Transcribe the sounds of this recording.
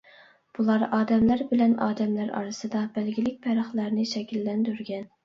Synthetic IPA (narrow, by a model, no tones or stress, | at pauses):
b̥ulˠɑɾɑːd̪ɛmlæɾbɪlɛnɑ̰ːd̪ɛmlæɾɑ̰ɾɨsɨd̪ɑbælɡʲilɪk̚ʲpʰɛɾɑχlˠæɾnɪʃɛkʲilːɛnd̪yɾɡʲɛn